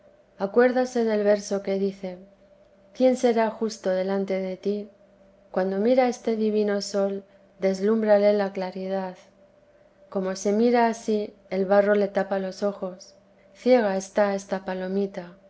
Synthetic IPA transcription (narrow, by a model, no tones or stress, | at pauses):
akwe̞ɾðase̞ðe̞lβe̞ɾso̞ke̞ðiθe̞ | kje̞nse̞ɾaxust̪o̞ðe̞lant̪e̞ðe̞t̪i | kwand̪o̞miɾae̞st̪e̞ðiβino̞so̞l | d̪e̞zlumbɾale̞laklaɾið̞að | ko̞mo̞se̞miɾaːsi | e̞lβaro̞le̞t̪apalo̞so̞xo̞s | θje̞ɣ̞ae̞st̪ae̞st̪apalo̞mit̪a